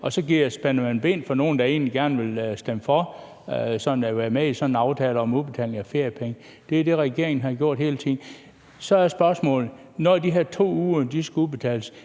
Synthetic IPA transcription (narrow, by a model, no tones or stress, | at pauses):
ɒ̽sɒ̽ɡiɐ̰sb̥enɐmænb̥e̝̰ːnfɒ̽no̝ːn̩d̥ɑ̈e̝̰ːnliɡ̥æɐnʋe̝lsd̥emfɒ̽ | sɒ̽nn̩æʋæːɐmeisɒ̽nn̩ɑ̈ʊt͡sʰɛ̰ːlɒ̽mub̥e̝t͡sʰɛ̰ːle̝ŋæfe̝ɐ̰jəpʰeŋə | d̥e̝æd̥e̝ʁɛɡ̥e̝ɐeŋn̩ɦhɑ̈ɡ̥jo̝ɐ̰d̥he̝ːlt͡sʰe̝n̩ | sɒ̽æɐsb̥ɶɐsmɔ̰̽ːlð̩ˠ | nɒd̥iɦeɐt͡sʰo̝̰ːuːɐd̥isɡ̥ub̥e̝t͡sʰɛ̰ːls